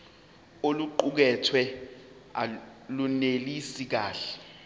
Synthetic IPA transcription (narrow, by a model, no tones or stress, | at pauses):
oluǃuk̬ɛtʰwɛ | alunelisik̬aːɬɛ̥